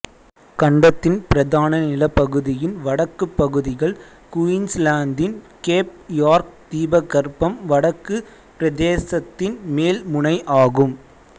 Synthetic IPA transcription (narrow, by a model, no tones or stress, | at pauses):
kɐɳɖɐt̪ːɪnpɪɾɐðaːnɐnɪlɐpːɐɣɯðɪjɪnʋɐɽɐkːɯpːɐɣɯðɪɣɐɭ | kʊɪnslaːnd̪ɪn | keːp̚jaːɾk̚t̪iːbɐɣɐɾpːɐmʋɐɽɐkːɯ | pɪɾɐðeːsɐt̪ːɪnmeːlmʊnɐɪʔaːɣɯm